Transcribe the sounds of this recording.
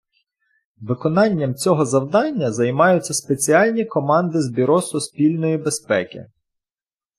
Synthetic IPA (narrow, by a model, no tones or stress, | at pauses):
ʋɪkɔnɑnʲːɐmt͡sʲɔɦɔzɐwd̪ɑnʲːɐzɐjmɑjʊtt͡sʲːɐspet͡sʲiɑlʲnʲikɔmɑnd̪ɪzbʲiɾɔsʊspʲilʲnɔjibespɛkʲɪ̰